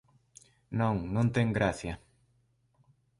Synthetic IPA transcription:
nõŋnõnt̪ẽŋɡɾaθja

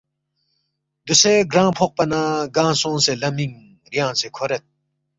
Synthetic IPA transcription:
d̪useɡɾãːpʰoq̚pɐnaːɡãːsõːnselɐmiŋ | ɾjãːsekʰoɾɐt̪̚

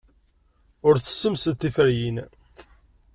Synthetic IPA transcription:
ʊɾθə̥sːəmsət̪ːifəɾjin

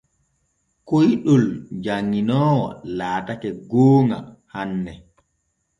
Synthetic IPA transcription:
kojɗɔld͡ʒaŋːinɔːwɔ̰laːtakɛɡoːŋa̰ | hanːɛ

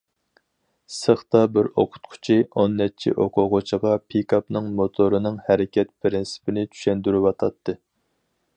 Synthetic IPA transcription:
səχt̪ɑbɪɾoqʰʊ̥t̪qʰʊ̥t͡ʃʰionːɛt͡ʃʰḭʔoqʰʊʁʊt͡ʃʰiʁɑpʰikʰɑpnɨŋmot̪ʰoɾɨnɨŋhɛɾɪkʲʰɛt̪̚pʰɾɪnsɪ̥pɪnɪt͡ʃ̪ʰy̥ʃɛnd̪yɾywɑt̪ʰɑt̪ʰːɨ

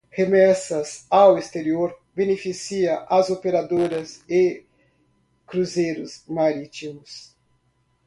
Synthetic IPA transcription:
hemɛsɐzawest̪eɾioɾbenefisiɐʔazopeɾad̪oɾɐze | kɾuzejɾʊzmaɾit̪imʊs

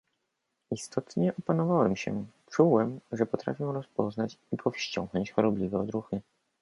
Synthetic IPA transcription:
ist̪ʰɔt̪ɲɛʔɔpanɔvawɛmɕɛ̰ | t͡ʂuwɛmʐɛpɔt̪ɾa̰fʲjɛw̃ɾɔspɔznat͡ɕipʰɔfɕt͡ɕɔ̰̃ŋɡnɔɲt͡ɕxɔɾɔblʲivɛɔd̪ɾuxɘ

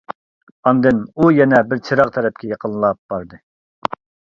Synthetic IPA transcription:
ɑnd̪ɨnujɛnɛbɪɾt͡ʃʰeɾɑqt̪ʰɛɾɛp̚kʲɛjɑqʰənlˠɑp̚b̥ɑɾd̪ɨ

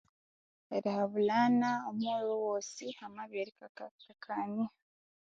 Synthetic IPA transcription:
eɾihaβulaːnaomwewowoːsihamaβeɾikakakʰaɲia

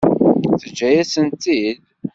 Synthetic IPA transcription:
θəd͡ʒːæjæsənt̪id̪

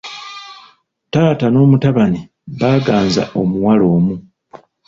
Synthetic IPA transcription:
taːtano̞ːmutaβani | βaːɡaːnza̰ʔo̞muwalo̞ːmu

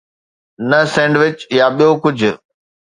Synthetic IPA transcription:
nəsɛ̃ːɳɖʋɪt͡ɕjaɓijokʊd͡ʑʱʊ̆

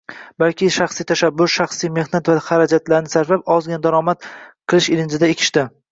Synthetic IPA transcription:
balkʲɪʃaχsijt̪ʰaʃabːʊɾʃaχsijme̞hnat̪vahaɾad͡ʒat̪laɾnɪsaɾvap̚ɒzɡʲand̪aɾɒmat̪qʰɨlˠɪʃɪlɪnd͡ʒɪd̪aekʲʰɪ̥ʃt̪ɪ

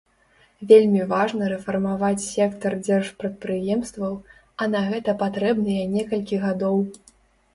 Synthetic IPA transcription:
vʲelʲmʲivaʐnɐɾɛfɐrmavat͡sʲsʲɛkt̪ɐrd͡zʲɛrʂpɾɐt̪̚pɾɨjɛmst̪vɐw | ɐnɐɣɛt̪ɐpat̪ɾɛbnɨjɛnʲɛkɐlʲkʲiɣad̪ɔw

